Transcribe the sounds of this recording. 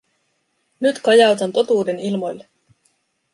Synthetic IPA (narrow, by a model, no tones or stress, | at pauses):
nyt̪kɑjɑwt̪ɑnt̪o̞t̪uːde̞nilmo̞jlːe